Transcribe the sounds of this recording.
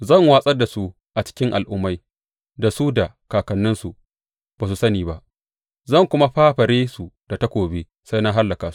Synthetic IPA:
zɐ˦˨ŋwaː˦sʼɐ˦rda˨su˦ | ʔa˨t͡ʃɪ̥˦kʲɪ˦ŋʔa̰˨lʔʊ˦mːa˦j | da˨su˦da˨ | kaː˨kɐ˨nːɪ˦nsu˨ | b̥aː˨s̬u˨sɐ˦niː˨ba˦ʔ | zɐ˦˨ŋkʷʊ˦ma˦ɸaː˦ɸɐ˨ɾeː˦su˨d̥a˨ta˦kʷoː˨be˦ | sa˦jna˦ɦa˦lːɐ˨kaː˨su̥˦

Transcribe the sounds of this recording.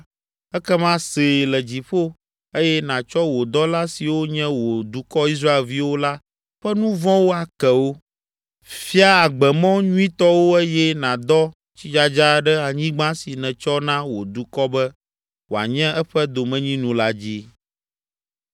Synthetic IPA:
ɛ˦kɛ˦mã˦se˨lɛ˨d͡ʑi˨ɸo˦ | e˦jɛ˦nã˨t͡ʃɔ˦wo˨d̪ɔ˦la˦si˨wo˦ɲɛ̃˦wo˨d̪u˨kɔ˦i˦s̬ɾa˦e˨lvi˦wo˦la˦ | ɸɛ˦nũ˦vɔ̃˦wo˦a˨kɛ˨wo˦ | fi˦a˦a˨ɡ͡bɛ˨mɔ̃˦ɲũ˦ĩ˦t̪ɔ˦wo˦e˦jɛ˦nã˨d̪ɔ˦ | t͡ɕi˦d͡ʒa˦d͡ʒa˦ɖɛ˦a˨ɲĩ˦ɡ͡bã˦si˨nɛ̃˨t͡ʃɔ˦nã˦wo˨d̪u˨kɔ˦bɛ˦ | wo˨a̰˨ɲɛ̃˦ɛ˦ɸɛ˦d̪o˨mɛ̃˦ɲĩ˦nũ˨la˦d͡ʑi˦

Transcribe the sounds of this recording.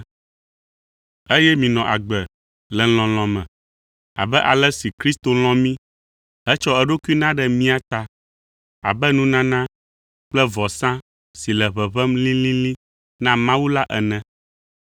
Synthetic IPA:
e˦jɛ˦mĩ˨nɔ̃˨ʔa˨ɡ͡bɛ˨ | lɛ˨l̃ɔ̃˨l̃ɔ̃˨mɛ̃˨ | a̰˨bɛ˦ʔa˨lɛ˦si˨kɾi˦st̪o˨l̃ɔ̃˦mĩ˦ | ɦɛ˦t͡ʃɔ˦ɛ˨ɖo˦ku˦i˦nã˦ɖɛ˦mĩ˦a˨t̪a˦ | a̰˨bɛ˦nũ˦nã˦nã˦ | k͡plɛ˦vɔ˨sã˦ | si˨lɛ˨βɛ˨βɛ˦mlĩ˦lĩ˦lĩ˦ | nã˦mã˦wu˦la˦ʔɛ˨nɛ̃˨

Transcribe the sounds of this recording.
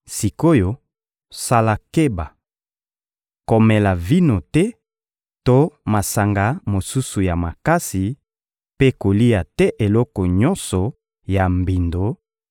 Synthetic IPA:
si˨ko˦jo˨ | sa˦la˨ke˦ba˨ | ko˨mɛ˨la˨vi˦no˨tɛ˦ | to˦ma˨sa˨ŋɡa˨˦mo˨su˦su˨ja˨ma˨ka˦si˨ | pe˦ko˨li˦ja˨tɛ˦ʔe˨lɔ˦kɔ˨ɲɔ˦nsɔ˨ | ja˨mbi˨ndo˨˦

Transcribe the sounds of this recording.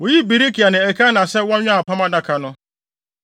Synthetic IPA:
wo˨ji˦bi˨ɾi˦kʰi˨a˨nɪ̃˨ɛ˨kʰa˦nã˨sɛ˦wɔ̃˦ɲᶣã˦a˨pʰã˦mã˦dã˦kʰa˨nʊ̃˦

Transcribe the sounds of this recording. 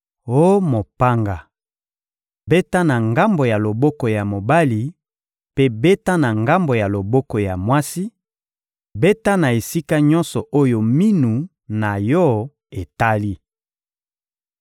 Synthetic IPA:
o˦mo˨pa˦ŋɡa˨ | be˦ta˦na˨ŋɡa˦mbo˨ja˨lo˨bɔ˦kɔ˨ja˨mo˨ba˦li˨ | pe˦be˦ta˦na˨ŋɡa˦mbo˨ja˨lo˨bɔ˦kɔ˨ja˨mwa˦si˦ | be˦ta˦na˨e˨si˦ka˦ɲɔ̃˦nsɔ˨ʔo˦jo˨mi˦nu˨ | na˨jɔ˦ | e˨ta˦li˦

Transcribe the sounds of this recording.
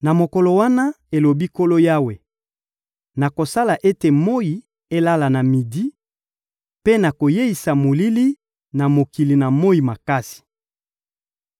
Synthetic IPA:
na˨mo˨kɔ˨lɔ˨wa˦na˦ | e˨lo˨bi˦ko˦lo˦ja˦we˨ | na˨ko˨sa˦la˨ʔe˦te˨mo˦ji˨ | e˦la˦la˨na˨mi˨di˦ | pe˦na˨ko˨je˦i˨sa˨mo˨li˦li˦ | na˨mo˨ki˨li˨na˨mo˦i˨ma˨ka˦si̥˨

